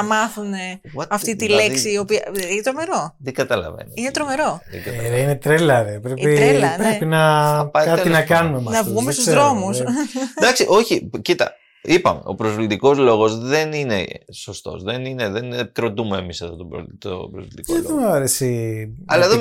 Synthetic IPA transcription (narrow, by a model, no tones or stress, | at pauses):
ɐmɐθune̞ɣwɐt̪ɐft̪it̪ileksiːo̞piɐint̪ɾome̞ɾo̞ðiɡɐt̪ɐlɐ̰vḛno̰inet̪ɾo̞me̞ɾo̞ðḛɡɐt̪ðeinet̪ɾelɐɾepɾepiepɾepinɐpɐkɐinɐkɐnumemɐnɐvɣumest̪uzðɾo̞musd̪ɐksiʔo̞çicit̪ɐ̰ | ipɐme̞̰o̞̰pɾozflit̪iko̞zlo̞ɣo̞zðe̞nine̞so̞st̪o̞̰zðenineðenk̪ɾo̞t̪umeːmisɐft̪ot̪o̰t̪o̰bɾozlit̪ikoemɐɾesiɐ̰lɐeðo